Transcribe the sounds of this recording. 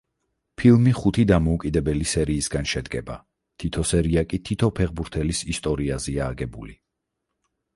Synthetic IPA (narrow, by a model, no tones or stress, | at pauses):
pʰilˠmiχut̪ʰid̪amɔukʼid̪ɛbɛlisɛɾiːsɡanʃɛd̪ɡɛba̰ | t̪ʰit̪ʰɔsɛɾiakʼit̪ʰit̪ʰɔpʰɛʁbuɾt̪ʰɛlisist̪ʼɔɾiazɛaːɡɛbuli